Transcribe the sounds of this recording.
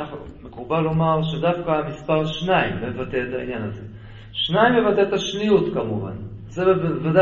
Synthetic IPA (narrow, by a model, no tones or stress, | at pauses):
aχ | mekubalumalʃed̪afkaːmispaʁʃnaimːevat̪eːt̪ainjanaze | ʃnajimːevat̪et̪aʃnijut̪kamuva̰n | zevad̪a